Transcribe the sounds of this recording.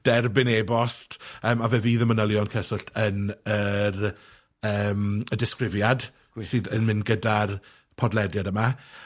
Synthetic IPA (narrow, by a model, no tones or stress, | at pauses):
d̥ɛrbɪneːbɔstəːmavɛviːðəmənəlˠjɔnkʰəsʊɬtʰənər | əːmədɪskrɪvjad | sɨːðənmɪnɡədar | pʰɔdlˠɛdjadəma